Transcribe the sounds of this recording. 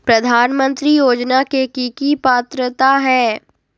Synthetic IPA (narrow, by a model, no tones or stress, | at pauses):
pɾɐd̪ʱaːnmə̃nt̪ɾijoːd͡ʒnakekikipaːt̪ɾət̪aɦɛː